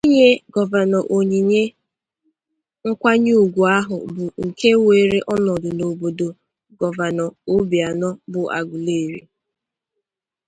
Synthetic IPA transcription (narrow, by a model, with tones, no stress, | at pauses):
i˦ɲe˦ɡɔ˨va˨nɔ˨ʔo˨ɲi˨ɲe˦ | ŋ̩˦kʷa˦ɲ˦u˦˨ɡʷu˨a˦ɦʊ˨bʊ˨ŋ̩˨ke˦we˨ɾe˦ʔɔ˦nɔ˨dʊ˨no˨bo˨do˨ | ɡɔ˨va˨nɔ˨o˦bi˨a˨nɔ˦bʊ˨a̰˨ɡʷʊ˨le˦˨ɾḭ˨